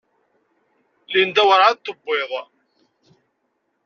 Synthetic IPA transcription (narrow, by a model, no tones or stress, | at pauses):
lind̪æwəɾat̪ːəbːeðˤ